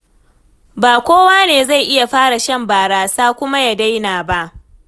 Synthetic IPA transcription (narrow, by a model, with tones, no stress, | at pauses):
baː˨kʷoː˦waː˦neː˨za˦˨jʔɪ˦ja˨ɸaː˦ɽa˨ʃɐ˦mbaː˨ɽaː˨saː˦kʷʊ˦ma˦ja˨da˦jnaː˨ba˦ʔ